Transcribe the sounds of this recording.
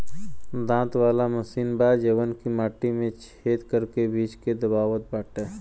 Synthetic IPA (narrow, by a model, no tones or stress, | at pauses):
d̪ãːt̪ʋaːlaməsiːnbaːd͡ʒeːʋənkimaːʈimẽt͡ʃʰeːt̪kəɾkebiːd͡ʒked̪əbaːwət̪̚baːʈeː